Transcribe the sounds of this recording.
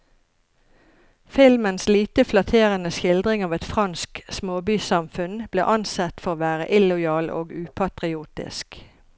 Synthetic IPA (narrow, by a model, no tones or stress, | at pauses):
fɪlmənsliːt̪əflɑt̪ʰeːʁənəʃɪld̪ʁɪŋɑːʋɛt̪fʁɑnsksmoːbyːsɑmfʉnb̥lḛːʔɑnsɛt̪fɔʁoːʋæːʁə̰ʔɪlʊɪɑːlo̰ːɡʉːpʰɑt̪ʁɪuːt̪ɪ̰sk